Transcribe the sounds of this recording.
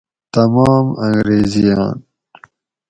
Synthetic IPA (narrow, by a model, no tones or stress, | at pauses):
t̪ɐmɑːmɐ̃ŋɡɾeːzijɑːn